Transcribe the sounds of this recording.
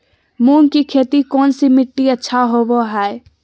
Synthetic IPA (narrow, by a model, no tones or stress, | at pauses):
munkikʰeːt̪ikɔːnsimɪʈːiətːʃʰaɦoboɦɛe